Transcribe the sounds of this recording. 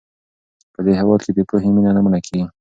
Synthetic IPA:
pəd̪eɦawɑt̪ked̪epoɦeminanamunakʰeɡi

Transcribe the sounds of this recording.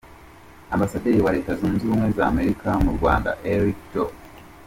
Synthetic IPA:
ambasadejiwaɾe̞ːtazuːnziuːmweza̰ːme̞ɾikamuɾɡwa̰ːnda̰ʔeɾikto

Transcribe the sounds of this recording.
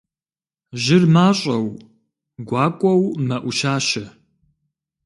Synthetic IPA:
ʒɪrmaːɕʼɐw | ɡʷɑːkʷʼɔwmɐʔʷʊʃaːʃɐ

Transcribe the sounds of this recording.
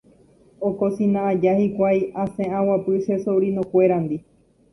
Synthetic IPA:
okosĩnãad͡ʒahikʷajãsẽãwapɨʃesowɾĩnõkʷeɾand̪i

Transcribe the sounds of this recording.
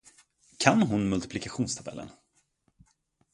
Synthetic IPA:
kʰanɦʊnmɵlt̪ɪ̥plɪkaɧuːnst̪ʰabɛ̰lːə̰n

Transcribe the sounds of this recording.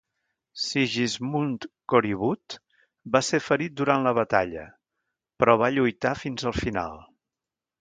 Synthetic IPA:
siʒizmunt̪koɾiβut̪ | basefəɾit̪̚d̪uɾanləβ̞ət̪aʎə̰ | pɾɔβ̞aʎujt̪afinzəlˠfina̰lˠ

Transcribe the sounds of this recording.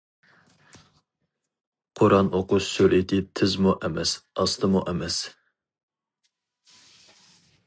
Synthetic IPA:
qʰoɾɑnʔoqʊsølit̪ɪt̪ʰɪzmuʔɛmɛsɑst̪ʰəmuʔɛmɛs

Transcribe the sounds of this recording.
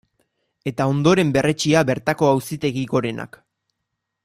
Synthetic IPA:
e̞t̪ao̞nd̪o̞ɾe̞mbe̞re̞t͡ʃiabe̞ɾt̪ako̞awsit̪e̞ɣiɣo̞ɾe̞na̰k

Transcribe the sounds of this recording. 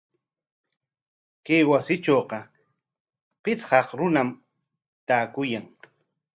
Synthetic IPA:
kejwasɪt͡ʃoːqɑ | pɪt͡shɑqɾʊnam | t̪aːkʊjaŋ

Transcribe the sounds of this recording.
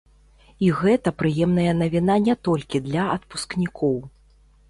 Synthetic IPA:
iɣɛt̪ɐpɾɨjɛmnɐjɐnɐvʲin̪anʲɛt̪ɔlʲkʲid̪lʲɐɐt̪pu̥sknʲikʰɔw

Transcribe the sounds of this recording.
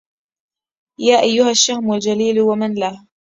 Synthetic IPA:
jaːʔajːʊhaʃːahmald͡ʒaliːlwamanlah

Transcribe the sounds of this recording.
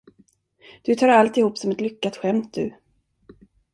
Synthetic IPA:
d̪̥ɵt̪ʰɑːɾalt̪ɪhuːpsɔmɛt̪lʏkːat̪ɧɛmt̪̚d̪ʉ

